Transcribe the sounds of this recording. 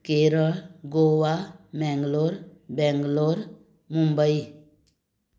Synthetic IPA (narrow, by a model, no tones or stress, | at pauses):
keɾəɭɡoːwamɛ̃ŋɡloɾbɛ̃ŋɡloɾ | mũmbəi